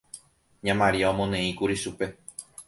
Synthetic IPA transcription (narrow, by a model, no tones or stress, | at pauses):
ɲãmaɾiaõmõnẽĩkuɾiʃupe̞